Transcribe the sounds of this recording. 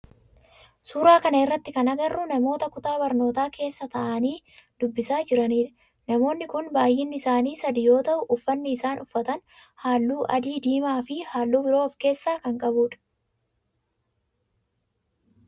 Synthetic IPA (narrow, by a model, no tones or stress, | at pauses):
suːɾaːkɐnɐɪrːɐt̪ːɪkɐnɐɡɐrːʊnɐmo̞ːt̪ɐkʊt̪aːbɐɾno̞ːt̪aːke̞ːsːɐt̪ɐʔɐniːd̪̥ʊbːɪsaːd͡ʒɪɾɐniːᶑɐ | nɐmo̞ːnːɪkʊnbaːjːɪnːɪɪsaːniːsɐd̪ɪjo̞ːt̪ɐʔʊʔʊfːɐnːɪːsaːnʔʊfːɐt̪ɐn | haːlːuːʔɐd̪iːd̪iːmaːfɪhaːlːuːbɪɾo̞ːfke̞ːsːaːkɐŋkʼɐbuːᶑɐ̥